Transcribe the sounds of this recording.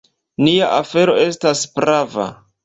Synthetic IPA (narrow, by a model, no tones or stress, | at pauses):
niaʔafe̞ɾo̞e̞staspɾava̰